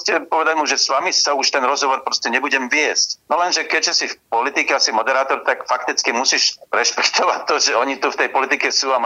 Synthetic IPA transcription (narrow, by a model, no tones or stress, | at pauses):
scɛpɔʋɛd̪aɟmuʒɛsʋamisauʃt̪ɛnɾɔzɦɔʋɔɾpɾɔscɛɲɛbuɟɛmʋɪɛscnɔlɛnʒɛkɛɟʒɛsifpɔlit̪ikɛasimɔd̪ɛɾaːt̪ɔɾt̪akfakt̪it͡skimusiʃɾɛʃpɛ̥kt̪ɔʋatt̪ːɔʒɛɔɲit̪uft̪ɛjpɔlit̪ikɛsuːa